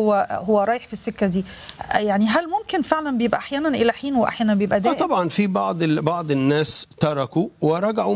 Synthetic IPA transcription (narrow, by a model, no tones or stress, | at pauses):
owːæhowːæɾˤɑːjeħfisːekːæd̪iː | jaʕniɦælmomkenfeʕlænbejebʔæ̰ʔaħjæːnænʔelæħiːnweʔa̰ħjæːnænbejebʔæd̪æːt̪ːˤɑbʕɑnfibɑʕd̪ˤbɑʕd̪ˤɪnːæːst̪ɑɾˤɑkuwɪɾˤɑɡaʕu